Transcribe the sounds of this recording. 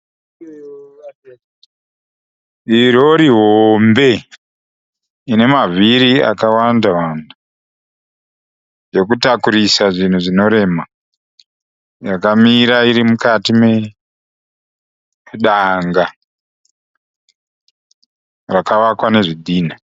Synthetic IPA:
iɾo̞ɾiɦoombe̞ | ine̞maviɾia̰kawandawandu | jo̞kutakuɾisaʐin̤uʐino̞ɾe̞ma | jakamiɾaiɾimukatime | ɗaŋɡa | rakaʋakwane̞ʐidʱiːna

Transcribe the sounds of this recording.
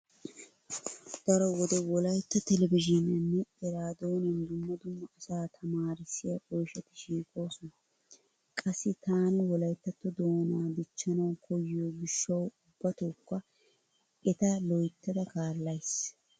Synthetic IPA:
d̪̥ɐɾɔwɔd̪ɛwɔlɐjt̪ːɐt̪ɛlɛbɪʒɪnɐnːɛɛɾaːd̪oːnɛnd̪ʊmːɐd̪ʊmːɐʔɐsaːt̪ʰɐmaːɾɪsɪjɐʔɔjʃɛt̪ɪ̥ʃiːkʼo̞ːsɔnɐ | kʼɐsːɪt̪ʰaːnɪwɔlɐjt̪ːɐt̪ːɔd̪o̞ːnaːd̪ɪt͡ʃːɐnɐwkʰɔjɪjoɡɪʃːɐwʊbːɐt̪ɔkːɐ | ɛt̪ɐlɔjt̪ːɐd̪ɐkaːlːɐjs

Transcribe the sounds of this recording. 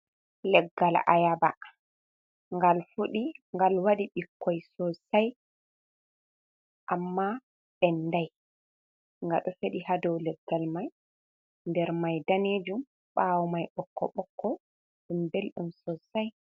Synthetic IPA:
lɛɡːala̰jaba | ŋɡalfuɗiŋɡalwaɗiɓikːɔjsɔsaj | ʔamːa | ɓɛnːdaj | ŋɡa̰ɗɔfeɗihadɔwlɛɡːalmaj | ndɛɾmajdaneːd͡ʒum | ɓawɔmajɓɔkːɔ̰ɓɔkːɔ | ɗumbelɗumsɔsaj

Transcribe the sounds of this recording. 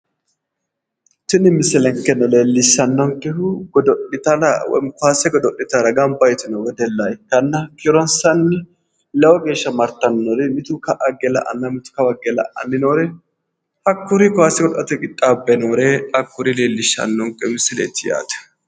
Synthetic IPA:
t̪ɪnɪmɪsːɪlɛŋkːɛnɔle̞ːlːɪʃːɐnːɔŋkːɛhʊɡɔd̪ɔʔɪt̪ɐlɐw̰kʊaːsɛɡɔd̪ɔʔɪt̪ɐɾɐɡɐmbɐjɛt̪ɪnɔwɛd̪ɛlːajkɐnːɐkɪɾɔnsɐnːɪ | lɐwɔɡe̞ːʃːɐmɐɾt̪ɐnːɔɾɛmɪt̪ʊkɐʔɐɡɛlɐ̰ʔɐ̰nːɐmɪt̪ʊ̥kɐwɐɡɛlɐ̰ʔɐ̰nːɪnoːɾɛ | hɐkːʊɾɪkɔhaːsɛɡɔʔɐt̪ɛkʼɪt̪ʼːaːbːɛnoːɾeɐkːʊɾɪle̞ːlːɪʃːɐ̰nːɔŋkːɛmɪsɪlḛːt̪ːɪja̰ːd̪ɐ̥

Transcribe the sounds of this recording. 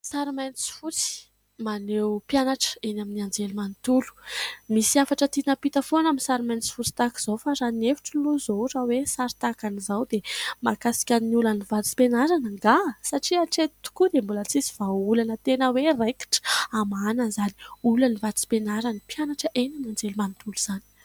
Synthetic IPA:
saɾimajnt͡si̥fut͡si̥ | manewpjanaʈ͡ʂə̥enaminiand͡zelimant̪ulu̥misiafaʈ͡ʂət̪inəpit̪afonaminsaɾimajnt͡si̥fut͡si̥t̪aki̥z̥ofaɾanefi̥ʈ͡ʂiluzoɾawesaɾit̪akanizawd̪emakasi̥kʲanniulanivat͡si̥penaɾanəŋɡasaʈ͡ʂiaʈ͡ʂet̪i̥t̪u̥kud̪embulət͡siziv̥aulanət̪enəwereki̥ʈ͡ʂamananzani̥ulanivat̪t͡si̥penaɾanipjanaʈ͡ʂəʔenamnand͡zelumant̪uluz̥ani̥

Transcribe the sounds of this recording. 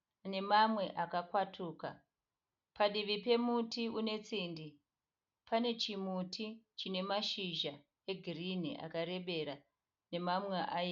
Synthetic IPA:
ne̞mamwe̞ʔakakwatʰuːka̰ | paɗiʋipe̞mutiune̞t͡siːndi | pane̞t͡ʃimutʰit͡ʃine̞maʃiʒa | eɡʱirin̤ḭʔa̰kaɾe̞ɓe̞ɾa | ne̞mamweʔaje

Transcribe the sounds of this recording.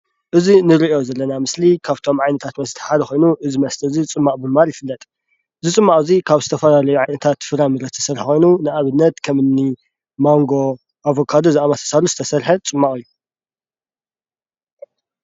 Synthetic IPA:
ʔɨzinɨɾiʔo̞zɐlːɐnamɨslikʰaβt̪ʰo̞mʕajnɐt̪ʰat̪mɐst̪ʰɨ̥ħad̪ɐxo̞jnuʔɨzimɐst̪ʰɐzit͡sʼɨmːaʔʼbɨmaljɪfɨlːɐt̪ʼ | ɨzit͡sʼɨmːaʔʼɨzikʰaβzɨt̪ʰɐfɐlalɐjuʕajnɐt̪ʰat̪fɨɾamɨɾɐt̪ʰɐ̥sɐɾħxʷo̞jnunɨʔaβɨnːɐt̪kʰɐmɨnːi | maŋɡo̞ | ʔavokʰad̪ozɨamat̪ʰɐ̥saluzɨt̪ʰɐsɐɾħɐt͡sʼɨmːakʼɨjːu

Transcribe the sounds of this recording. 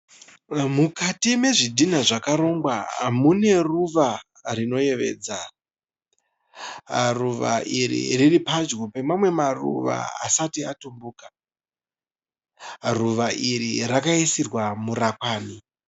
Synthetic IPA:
mukatime̞ʐidʱin̤aʐakaɾo̞ːmɡwamune̞ruʋa | rino̞je̞ʋe̞̰ːd͡za | ruʋa̰ʔiɾḭriripad͡ʒɡope̞mamwe̞marṵʋa̰a̰satiatumbuːkḁ | ruʋaʔiɾḭrakaisirwamuɾakwaːni

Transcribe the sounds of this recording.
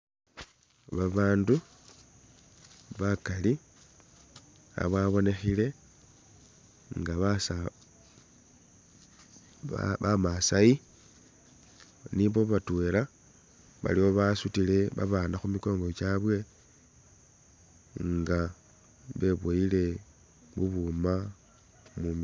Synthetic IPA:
βaβaːndu | βakali | a̰βwaβo̞ne̞xile̞ | ŋɡaβasa | βamasai | niβo̞βatwe̞ɾa | βa̰lio̞βasutile̞βa̰βanaxumiko̞ːŋɡo̞t͡ʃaβwe̞ | ŋɡa | βe̞βwoile̞ | βuβuma | mumi

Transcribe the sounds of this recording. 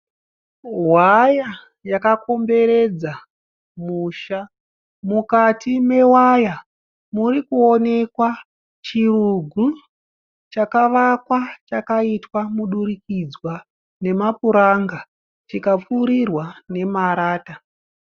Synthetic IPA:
waja | jakako̞mbe̞ɾe̞d͡za | muːʃa | mukatʰime̞waja | murikuo̞ne̞kwa | t͡ʃiruɡʱu | t͡ʃakaʋakwat͡ʃakaitwamuɗuɾikid͡zwa | ne̞mapuɾaŋɡa | t͡ʃikap͡fuɾirwane̞maɾaːta

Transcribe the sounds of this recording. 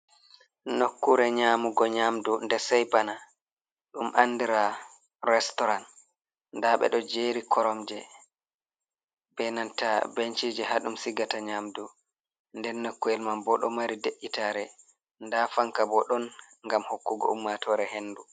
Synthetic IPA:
nokːuɾɛɲaːmuɡɔɲamdundɛsɛjpana | ɗumʔandiɾa | ɾɛstɔɾan | ndaɓɛ̰ɗɔd͡ʒeːɾikʰɔɾɔmd͡ʒɛ | bɛnantabent͡ʃid͡ʒɛɦaɗumsiɡataɲaːmdu | ndɛnːokːuɛlmanbɔɗɔ̰maɾideʔːitaɾɛ | ndafaŋkabɔɗɔn | ŋɡamhokːuɡɔ̰umːatʰɔːɾɛɦenːdu

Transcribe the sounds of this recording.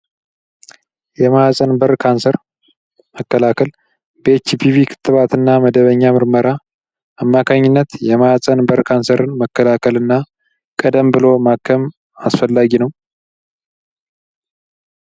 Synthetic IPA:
jɛmajasʼənbəɾkʰansəɾ | məkːəlakʰəl | bet͡ʃːipʰivikʰɨ̥t̪ʼːɨβat̪ɨnːaməd̪əβəɲːamɨɾməɾa | ʔamːakʰaɲːɪnːət̪jɛmajasʼənbəɾkʰansəɾɨnməkːəlakʰəlɨnːa | kʼəd̪əmbɨlo̞makʰːəm | asfəlːaɡinəw

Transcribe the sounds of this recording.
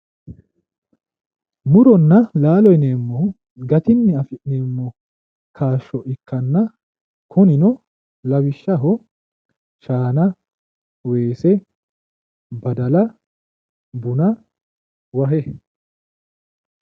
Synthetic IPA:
mʊɾɔnːɐlaːlɔjneːmːɔ | ɡɐt̪ɪnːɪɐfɪʔneːmːɔ | kʰaːʃːɔʔɪkːɐnːɐ | kʰɔnɪnɔ | lɐwɪʃːɐɦɔ | ʃaːnɐ | we̞ːsɛ | bɐd̪ɐlɐ | bʊnɐ | wɐɦɛ

